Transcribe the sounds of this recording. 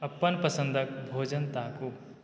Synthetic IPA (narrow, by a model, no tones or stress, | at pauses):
ɐpːənpəsə̃nd̪ʱək̚bʱoːd͡ʒənt̪aːko